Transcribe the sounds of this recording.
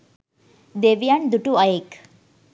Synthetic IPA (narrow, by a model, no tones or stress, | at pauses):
d̪eʋjaɳd̪uʈuajek